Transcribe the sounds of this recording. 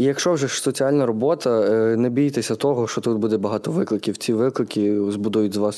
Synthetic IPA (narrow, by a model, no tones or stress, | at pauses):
ijɐkʃt͡ʃɔwʒɛsɔt͡sʲiɑlʲnɐɾɔbɔt̪ɐnɛbʲijit̪esʲɐt̪ɔɦɔʃt͡ʃɔt̪ut̪̚bud̪ɛbɐɦɑt̪ɔʋɪklˠɪkʲiwt͡sʲiʋɪklˠɪkʲizbud̪ujʊtʲzʋɑs